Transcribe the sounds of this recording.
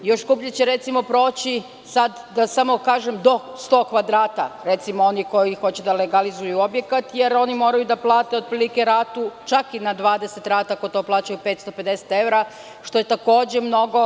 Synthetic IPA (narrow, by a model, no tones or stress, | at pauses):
jo̞ʃskupʎet͡ɕeɾe̞t̪simo̞pɾo̞ːt͡ɕi | sad̪ːasamo̞kaːʒemd̪o̞ | st̪o̞ːkʋad̪ɾaːt̪aɾet̪simoo̞niko̞jixo̞t͡ɕed̪aleɡalizujuo̞bje̞kat̪je̞ɾo̞nimo̞ːɾajud̪aplˠaːt̪e̞od̪pɾilikeɾaːt̪ut͡ʃakinad̪ʋaːd̪eset̪ɾaːt̪aako̞t̪o̞ːplˠaːt͡ɕajupet̪st̪o̞pe̞d̪ese̥t̪e̞ʋɾa | ʃt̪o̞je̞t̪ako̞ːd͡ʑe̞mno̞ɡo̞